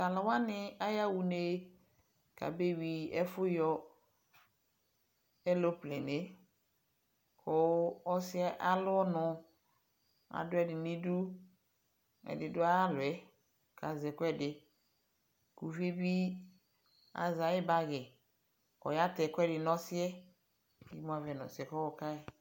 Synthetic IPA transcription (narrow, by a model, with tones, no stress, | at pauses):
ka˨la˨wa˦nɪ˨a˦ja˦wu˨ne˦ | ka̰˨be˦wi˨ɛ˦fʊ˦jɔ˦ | ɛ˦lo˦ple˨ne˦ | kɔ˨ɔ˦sɪ˦ɛ˦ʔa˦lʊ˦ɔ˦nʊ̃˨ | a̰˨dʊ˦ɛ˨dɪ˨nĩ˦du˦ | ɛ̰˨dɪ˨dʊ˦a˦a˦lʊ˨ɛ˦ | ka˨zɛ˨kʊ˦ɛ˦dɪ˨ | ku˨vi˦e˦bi˦ | a̰˨za˨˦ɪ˦ba˦ɣɛ˨ | ɔ̰˨ja˦tɛ˨kʊ˦ɛ˦dɪ˨nɔ̃˦sɪ˦ɛ˦ | ɡḭ˦mõ˦a˨vɛ˨nɔ̰̃˨sɪ˨˦ɛ˨kɔ˦wɔ˨ka˦˨